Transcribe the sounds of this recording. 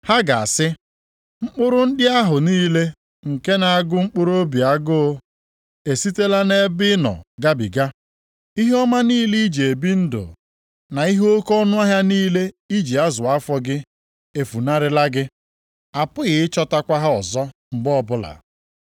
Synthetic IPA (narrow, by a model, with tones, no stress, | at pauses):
ha˦ɡa˨a˨sɪ˦ | ŋ͡m̩˦k͡pʊ˦ɾʊ˦n̩˦dɪ˦a˦ɦʊ˨niː˦le˦ | ŋ̩˨ke˦na˨a˨ɡʊ˦ŋ͡m̩˦k͡pʊ˦ɾo˦bi˨a˦ɡʊ˦ | e˨si˦te˦la˦ne˦bɪ˦nɔ̰˨ɡa˦bḭ˨ɡa˦ | i˦ɦɔ˦ma˦niː˦li˦d͡ʒe˨bi˦n̩˦dʊ̰˨ | na˨i˦ɦo˦kɔ˦nʊ˦a˦ɦja˦niː˦le˦ | i˦d͡ʒi˨a˦zʊ˨a˦fɔ˦ɡɪ˦ | e˨fu˨na˦ɾɪ˦la˦ɡɪ˦ | a˨pʊ˦ɣɪ˨ɪ˦t͡ʃɔ˦ta˦kʷa˦ɦa˦ɔ˨zɔ˦ŋ͡m̩˨ɡ͡bɔ˦ɔ˦bʊ˦la̰˨